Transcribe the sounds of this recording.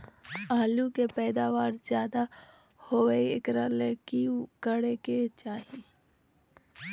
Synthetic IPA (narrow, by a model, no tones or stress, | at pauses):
aːlukepɛːd̪aːʋaːɾd͡ʒjaːd̪a | hoʋeiḛkɾəlekikəɽeket͡ʃaːi